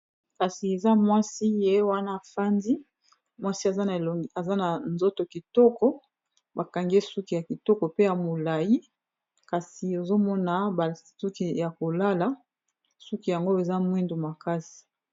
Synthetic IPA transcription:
ka˨si˨e˨za˦mwa˦si˦je˦wa˦na˦˨fa˦ndi˦ | mwa˦si˦a˨za˦na˨lo˨a˨za˦na˨nzo˦to˨ki˨tɔ˦kɔ˦ | ba˨ka˨ŋɡe˦su˦ki˨ja˨ki˨tɔ˦kɔ˨pe˦ja˨mo˨la˨ji˦ | ka˨si˨o˨zo˦mɔ˦na˨ba˨su˦ki˨ja˨ko˨la˦la˦ | su˦ki˨ja˨ŋɡo˦e˨za˦mwi˦ndu˨ma˨ka˦si̥˨

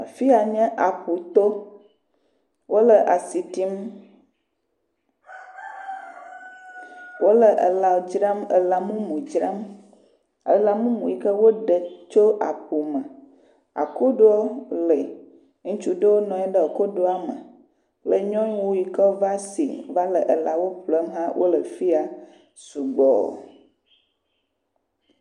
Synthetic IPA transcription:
a˨fi˦a˨ɲɛ̃˦ʔa˨pu˨t̪o˦ | wo˦lə˨ʔa˨si˨t̪i˦m | wʔo˦lə˨ʔə˨la˨d͡ʒɾa˦mə̰˨la˨mũ˦mũ˨d͡ʒɾa˦m | e˨la˨mũ˦mũ˨i˨kə˦wo˦ɖə˨t͡ʃo˦a˨pu˨mə̃˨ | a̰˨ko˦ɖo˦ɔ˦lə˨ | ŋũ˦t͡ʃu˦ɖə˦wo˦nɔ̃˨ɛ˦ɖə˦o˨ko˦ɖo˦a˦mə̰˨ | plə˦ɲɔ̃˦ɲ˦wo˦ji˨kə˦va˦sḭ˨va˦lə˨ʔə˨la˨wo˦ɸlə˦mɦã˦wʔo̰˦lə˨fi˦a˨ | su˨ɡ͡bɔ̰˦˨

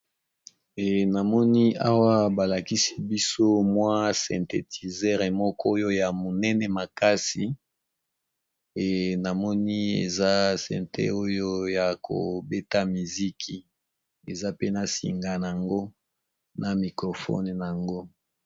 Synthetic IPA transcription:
ɛ˨na˨mɔ˦ni˦a˦wa˦ba˨la˨ki˦si̥˦bi˦so˦mwa˦sɛ̰̃˨nte˨tʰi˨zɛ˦ʁe˨mɔ˦kʰɔ˦jo˦ja˨mo˨nɛ˦nɛ˨ma˨ka˦si˨ | ɛ˨na˨mɔ˦ni˦e˨za˦sɛ̰̃˨ntḛ˦o˦jo˦ja˨kʰo̰˨be˦ta˦mi˨zi˦kʰi˨ | e˨za˦pe˦na˨sḭ˨ŋɡa˨n˨a˨ŋɡo˦ | na˨mi˨kʁo˨fɔ̰˦n˨n˨a˨ŋɡo˦

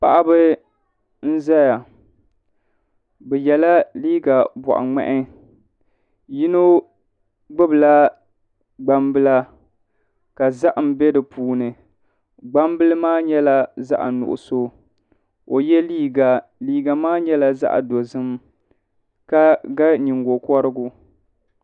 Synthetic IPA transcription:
pa˨ʔa˦bɨ˦ | n̩˦za˦ja˨ | bɛ˨jɛ˨la˦liː˦ɡa˨bɔ̰˨ʔa̰˨ŋ͡mɛ̰˦˨ʔɪ˦ | ji˦no˦ | ɡ͡bɨ˦bɨ˨la˦ | ɡ͡ba˦mbɨ˦la˦ | ka˨za˦ʔm̩˨bɛ˦dɨ˨puː˨˦nɨ˨ | ɡ͡ba˦mbɨ˦lɨ˦maː˦ɲɛ˦la˦za̰˦ʔnʊ̰˨ʔʊ̰˨so˦ | o˨jɛ˦liː˦ɡa˨liː˦ɡa˨maː˦ɲɛ˦la˦za̰˦ʔdo˨zɨ˦m | ka˦ɡa˦ɲi˨ŋɡo˨kɔ˦ɾɨ˦ɡu˦

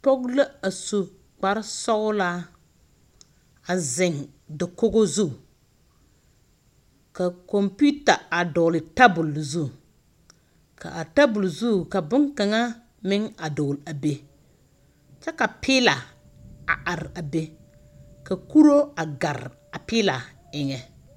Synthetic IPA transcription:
pɔ˦ɡla˦a˨su˨ | k͡pa˨ɾsɔ˦la˦ | a˨zɪ˨ŋ | dɪ˨ko˦ɡo˦zu˦ | ka˨kɔ˨mpu˦ta˨a˨dɔ˨lɪ˨ta˦bʊ˨lzu˦ | ka̰˨ʔa˨ta˦bʊ˨lzu˦˨ka˨bʊ˦ŋka˨ŋa˦ | mɪ˦ŋa˨dɔː˨la˨be˨ | t͡ʃɛ˦ka˨pʰɪː˦la˨ | a̰˨a˨ɾɪ˨a˨be˦ | ka˨ku˦ɾo˦a˨ɡa˨ɾ | a˨pɪː˦la˨ | ɪ˨ŋɛ˨

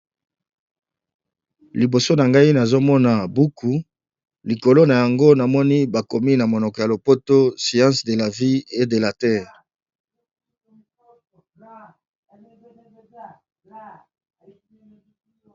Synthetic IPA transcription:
li˨bo˨so˦na˨ŋɡa˦i˦na˨zo˦mɔ˦na˨bu˦kʰu˨˦ | li˨ko˨lo˦na˨ja˨ŋɡo˦na˨mɔ˦ni˦ba˨ko˨mi˦na˨mo˨nɔ˨kɔ˨ja˨lo˨po˦to˦si˨ɑ̃˦sde˨la˨vi˦e˦de˨la˨tɛː˦ʁ

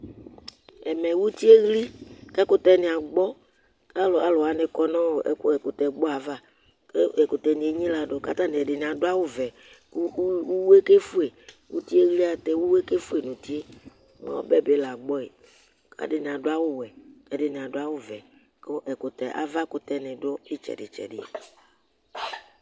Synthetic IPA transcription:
ɛ˨mɛ̃˨wu˦t̪i˦e˦ɣli˦kɛ˦kʊ˦t̪ɛ˦nĩ˨a˨ɡ͡bɔ˦ | ka˦lɔ˨a˨lɔ˨a˨nɪ̃˨kɔ˦nɔ̃˦wo˨ʔɛ̰˦ke˨ko˨t̪ɛ˨ɡ͡bɔ˦a˨va˦ | ke˦e˨ko˨t̪ɛ˨nĩ˨e˨˦ɲĩ˦la˨ɖo˨ka̰˦t̪a˦nẽ˨ɛ˨ɖɪ˨nĩ˨a˨do˦a˦wo˦vɛ˨˦ | wu˦we˦ke˦fu˦e˨ | wu˦t̪i˦e˦ɣli˦a˦˨t̪e˦wu˦we˦ke˦fu˦e˨nũ˨t̪i˦e˦ | mã̰˨˦o̰˦bɛ˦be˦la˨ɡ͡bɔ˦e˨ | ka̰˦ɖɪ˨nẽ˨a˨do˦a˦wo˦wɛ˨kɛ˨dɪ˨nẽ˨a˨do˦a˦wo˦vɛ˨ | ko˦ʔɛ˨ko˨t̪ɛ̰˨ʔa̰˨va˦ko˨t̪ɛ˦nɪ̃˨dɔ˦e˦t͡ʃɛ̰˨ɖɪ̰˨t͡ʃɛ̰˨ɖɪ̰˦˨

